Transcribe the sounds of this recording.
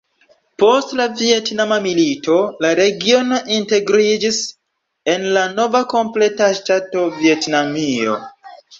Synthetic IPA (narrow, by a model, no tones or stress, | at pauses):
po̞stlavie̞tnamamilito̞laɾe̞ɡio̞no̞ʔinte̞ɡɾid͡ʒis | e̞nlano̞vako̞mple̞taʃtato̞vie̞tnamio̞̰